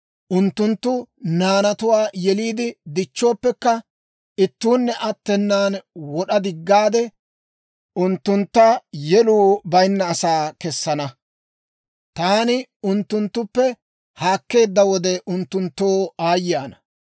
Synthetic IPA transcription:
ʔʊnt̪ːʊnt̪ːʊnaːnɐt̪ʊwaːjɛliːd̪ɪd̪ɪt͡ʃːo̞ːpːɛkːɐ | ɪt̪ːuːnːɛʔɐt̪ːɛnːaːnwɔɗɐd̪ɪɡːaːd̪ɛ | ʔʊnt̪ːʊnt̪ːɐjɛluːbɐjnːɐːsaːkɛsːɐnɐ | t̪aːnɪʊnt̪ːʊnt̪ːʊpːɛ | haːkːe̞ːd̪ːɐwɔd̪ɛʔʊnt̪ːʊnt̪ːoːaːjaːnɐ̥

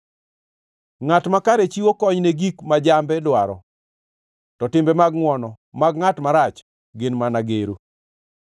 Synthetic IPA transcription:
ŋatmakaɾet͡ʃiwokɔɲneɡikmad͡ʒambɛdwaɾɔ̰ | tɔtɪmbɛmaɡŋwɔnɔ | maɡŋatmaɾat͡ʃ | ɡɪnmanaɡeɾo

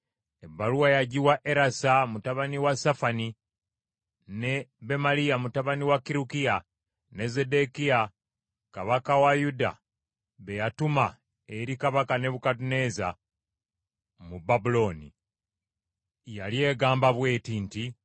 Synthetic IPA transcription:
ebːaluwajaɟiwaʔeɾasamutaβaniwasafani | neβe̞malijamutaβaniwakːiɾukia | ne̞ze̞de̞kia | kaβakawajuda̰ | βe̞jatuma | eɾikaβakane̞βukatune̞za | mubabulo̞nḭ | jalje̞ɡaːmbaβwe̞ːtinti

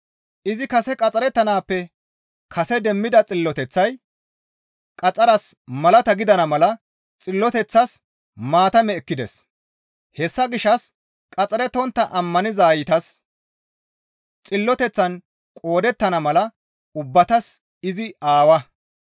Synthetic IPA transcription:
ʔɪzɪkɐsɛkʼɐt͡sʼɐɾɛt̪ːɐnaːpːɛ | kʰɐsɛd̪ɛmːɪd̪ɐt͡sʼɪlːɔt̪ɛt͡sːɐj | kʼɐt͡sʼɐɾɐsmɐlɐt̪ɐɡɪd̪ɐnɐmɐlɐ | t͡sʼɪlːɔt̪ɛt͡sːɐs | maːt̪ɐmɛːkːɪd̪ɛ̰s | hɛsːɐɡɪʃːɐs | kʼɐt͡sʼɐɾɛt̪ɔnt̪ːɐʔɐmːɐnɪzaːjɪt̪ɐs | t͡sʼɪlːɔt̪ɛt͡sːɐn | kʼo̞ːd̪ɛt̪ːɐnɐmɐlɐ | ʊbːɐt̪ɐs | ɪzɪaːwɐ

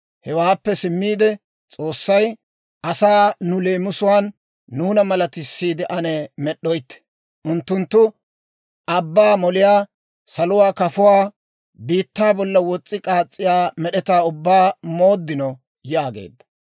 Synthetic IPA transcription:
hɛwaːpːɛsɪmːiːd̪ɛ | t͡sʼo̞ːsːɐj | ɐsaːnʊleːmʊsʊwaːnː | uːnɐmɐlɐt̪ɪsːiːd̪ɪʔɐnɛmɛɗːɔjt̪ːɛ̥ | ʔʊnt̪ːʊnt̪ːʊ | ʔɐbːaːmɔlɪjaː | sɐlʊwaːkɐfʊwaː | biːt̪ːaːbɔlːɐwɔt͡sʼːɪkʼaːt͡sʼːɪjaːmɛɗɛt̪aːʊbːaːmo̞ːd̪ːɪnɔ | jaːɡḛːd̪ːɐ̥

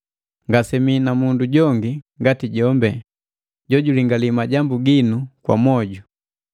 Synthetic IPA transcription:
ŋɡasɛminamunduɟɔŋɡiŋɡatiɟɔmbɛ | ɟɔɟuliŋɡalimaɟambuɡinukwa̰mɔɟu

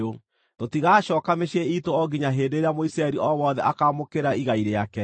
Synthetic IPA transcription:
o | totiɣaːɕɔːkameʃeitoɔɡiɲaɦeːdeːɾeamoisɾaɛɾiʔɔwɔðɛʔakaːmokeɾaiɣaiɾeakɛ

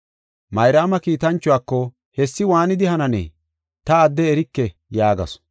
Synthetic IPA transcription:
mɐjɾaːmɐkiːt̪ɐnt͡ʃːʊwaːkːɔ | hɛsːɪwaːnɪd̪ɪhɐnɐnɛ̰ː | t̪ɐːd̪ːɛːɾɪkːɛjaːɡɐ̰s

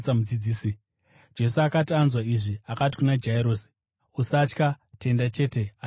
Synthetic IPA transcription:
t͡samud͡zid͡ziːsi | d͡ʒe̞suakatianzwaiʐiakati̥kunad͡ʒaiɾoːsi̥ | usat͡ʃka | te̞ndat͡ʃe̞ːte̞a

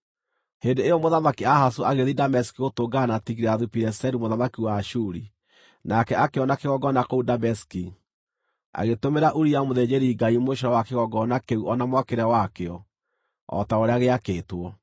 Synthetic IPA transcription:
hendoejɔmoðamakiahasoaɣeðidamɛskiotoɡanatiɣiɾɛaðupiɾɛsɛɾumoðamakiwaːʃuɾi | nakɛakeɔnakeɣɔɡɔnakoudamɛski | a̰ɣetomeɾaʔuɾiamoðed͡ʑeɾiːɡaimoʃɔɾɔwakeɣɔɡɔnakeuʔɔnamwakeɾɛwakeɔ | ɔ̰taoɾeaɣeakeːtwɔ

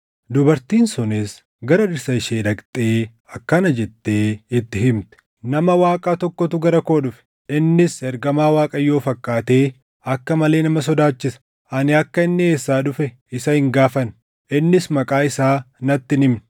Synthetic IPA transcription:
d̪ʊbɐɾt̪iːnsɔnes | ɡɐɾɐᶑɪɾsɐɪʃeːᶑ̪ɐkt̪ʼeː | ɐkːɐnɐd͡ʒɛt̪ːeːɪt̪ːɪɦɪmt̪ɛ̥ | nɐmɐwaːkʼaːt̪ɔkːɔt̪ʊɡɐɾɐko̞ːᶑʊfɛ̥ | ɪnːɪsɛɾɡɐmaːwaːkʼɐjo̞ːfɐkʼːaːt̪e̞ː | ɐkːɐmɐle̞ːnɐmɐs̬ɔd̪aːt͡ʃːɪsɐ̥ | ʔɐnɪɐkːɐɪnːɪe̞ːsːaːᶑʊfɛ | ɪsɐhɪŋɡaːfɐn | ɪnːɪsmɐkʼaːɪsaːnɐt̪ːɪnɪmnɪ̥

